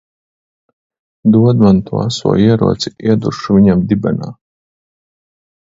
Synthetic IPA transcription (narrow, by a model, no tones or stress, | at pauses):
d̪uɔd̪mant̪ʰua̰sṵɔiɛɾuɔt͡siʔiɛd̪urʂuviɲamd̪ibana̰ː